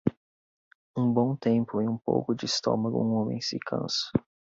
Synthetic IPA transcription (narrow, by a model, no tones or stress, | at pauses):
ũbõw̃t̪ẽmpʊẽũpo̰wkʊd͡ʒɪːst̪õ̰mɐɡʊ̰ũõmḛ̃j̃sɪkʰɐ̰̃sʊ̥